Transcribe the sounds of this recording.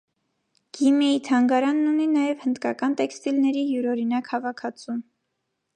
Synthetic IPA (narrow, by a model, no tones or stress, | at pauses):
ɡ̥imɛjit̪ʰɑŋɡɑɾɑnːuninɑjɛvhənd̪kɑkɑnt̪ɛkst̪ilnɛɾiɦjuɾɔɾinɑkhɑvɑkʰɑt͡sʰum